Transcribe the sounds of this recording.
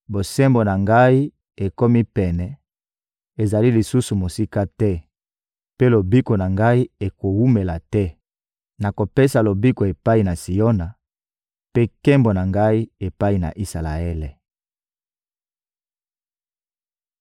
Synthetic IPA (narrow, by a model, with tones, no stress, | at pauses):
bo˨sɛ˦mbo˨na˨ŋɡa˦i˦ | e˨ko˦mi˦pɛ˨nɛ˨ | e˨za˨li˦li˨su˦su˨mo˨si˦ka˦tɛ˦ | pe˦lo˨bi˦ko˨na˨ŋɡa˦i˦e˨ko˨wu˦me˨la˨tɛ˦ | na˨ko˨pe˦sa˨lo˨bi˦ko˨e˨pa˦i˨na˨si˨jo˦na˨ | pe˦kɛ˦mbo˨na˨ŋɡa˦i˦e˨pa˦i˨na̰˨ʔi˦sa˨la̰˨e˦le˨